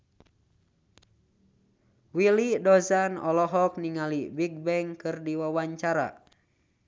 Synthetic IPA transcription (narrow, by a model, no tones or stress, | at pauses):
wilidɔzanɔlɔɦɔk̚niŋalibiɡ̚bɛŋkɨrdiwawaɲt͡ʃaɾa̰